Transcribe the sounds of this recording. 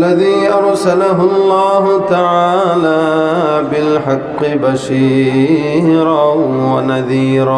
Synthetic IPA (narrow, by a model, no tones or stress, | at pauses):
lːaðiːʔɑɾˤsalaɦʊlˤːaːɦʊt̪aʕaːlaːbɪlħɑqːɪbaʃiː | ɾɑwanaðiːɾɑː